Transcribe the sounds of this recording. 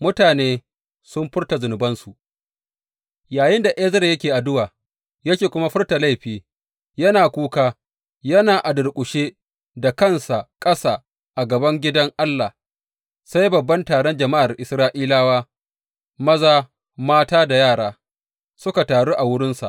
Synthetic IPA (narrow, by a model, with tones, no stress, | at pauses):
mʊ˦taː˨neː˦ | sʊ˦mɸɪ˦rta˨zʊ˨nʊ˨bɐ˦nsu˨ʔ | jaː˨jɪ˦nda˨ʔɛː˦zɐ˦ɾjɐ˦kʲeː˨ʔa˨dʊ˦waː˨ | jɐ˦kʲeː˨kʷʊ˦ma˦ɸɪ˦rta˨la˦˨jɸiː˨ | jɐ˦naː˨kʷuː˦kaː˦ | jɐ˦naː˨ʔa˨dʊ˨rkʷʼʊ˨ʃeː˦ | da˨kɐ˦˨nsa˨ʔkʼɐ˦saː˨ | ʔa˨ɡɐ˨bɐ˦ŋɡʲɪ˦dɐ˦ŋʔa˦lːa˨h | sa˦jbɐ˨bːɐ˦ntaː˨ɽɔ˦nd͡ʒɐ˨ma˦ʔa˨rʔɪ˨sɾaː˦ʔiː˦laː˦waː˦ | mɐ˦zaː˨ | maː˦taː˦da˨jaː˦˨ɽaː˨˦ | sʊ˦ka˨taː˨ɽuː˦ʔa˨wʊ˦ɽɪ˦nsa̰˨ʔ